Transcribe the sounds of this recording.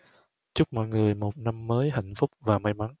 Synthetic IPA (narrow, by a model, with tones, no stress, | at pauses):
t͡ɕʊ˦˥k͡p̚mɔ̰˧˨jŋɨ˨˩əjmo˨˩t̚na˧mːəː˨˦jɦa̰˧˨jŋ̟fʊ˦˥k͡p̚vaː˨˩ma˧jma˨˦n